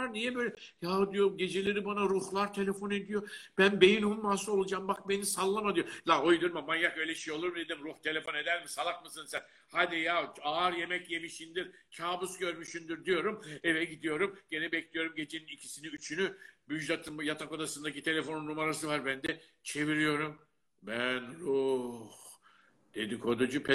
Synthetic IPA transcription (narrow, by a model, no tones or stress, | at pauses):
aɾnijɛbøjlʲɛjaod̪ijo̞ɾmɟe̞d͡ʒe̞lʲeɾibanaɾuhlˠaɾt̪ʰe̞lʲefo̞ne̞d̪ijo̞b̥ænbe̞j̪inumunmasuo̞lˠud͡ʒambak̚be̞nisalˠːamad̪ijo̞laojd̪joɾmabanjakø̞jlʲɛiʃejolˠuɾmd̪ed̪imɾuht̪ʰe̞lʲe̞fo̞ne̞d̪æɾmisalˠak̚mɯsɯnsæn | had̪ijaaːɾje̞mɛcje̞miʃind̪iɾt͡ʃʰaːbusɟøɾmyʃynd̪yɾd̪ijo̞ɾumevɛɟid̪ijo̞ɾumɟ̥e̞nɛbɛclʲijo̞ɾumɟe̞d͡ʒʰeninicʰi̥siniyt͡ʃʰynybyʒlat̪ʰɯmjat̪ʰako̞d̪asɯnd̪acit̪ʰe̞lʲe̞fo̞nunːumaɾasɯvaɾbænd̪ɛ | t͡ʃʰe̞viɾijo̞ɾum | bænɾuh | d̪̥e̞d̪ikʰo̞d̪ud͡ʒupʰɛ